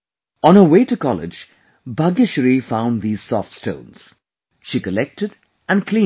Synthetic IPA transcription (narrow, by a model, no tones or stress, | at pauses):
ə̃nə˞weɪtɨkɑlɪ̰d͡ʒ | bʌɡɪʃəɾifãʊ̃nðiːz̥sɔftstõ̰ʊ̃nz̥ | ʃikəlɛk̚tɨd | ɨ̃nkʰl̥ĩ